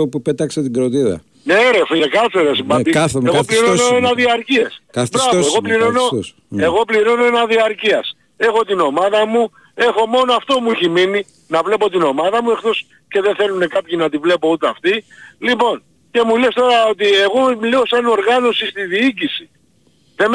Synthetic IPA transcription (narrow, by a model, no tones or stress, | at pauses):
opupet̪ɐkset̪iɡɾot̪iðɐ̰ | neɾefiekɐθeɾesibɐieɣopliɾonoenɐðiɐɾciɐsabbɾɐvoeɣo̞pliɾono̞ | e̞ɣo̞pliɾo̞noe̞nɐðiɐɾciɐs | e̞xo̞t̪ino̞mɐðɐmu | e̞xo̞mo̞noɐft̪o̞muiçemini | nɐvle̞po̞t̪ino̞mɐðɐmue̞xt̪o̞s | ce̞ðenθe̞lune̞kɐpçinɐt̪ivle̞po̞ut̪eɐft̪ilipo̞n | ce̞mulest̪o̞ɾɐo̞t̪̬ie̞ɣo̞mliosɐno̞ɾɣɐno̞sist̪iðiicisi̥ | ðem